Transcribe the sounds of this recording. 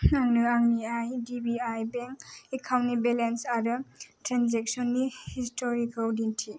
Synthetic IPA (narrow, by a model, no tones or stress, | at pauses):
aŋnɯaŋniajdibiajbeŋkekʰawnnibelensaɾɯtɾanzek̚sɔnːihistʰɔɾikʰɔwdintʰi